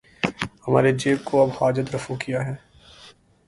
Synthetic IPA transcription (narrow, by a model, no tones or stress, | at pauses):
hɐma̰ːɾed͡ʒeːb̚kʰoɐbhaːd͡ʒət̪ɾɐfukijaɦɛː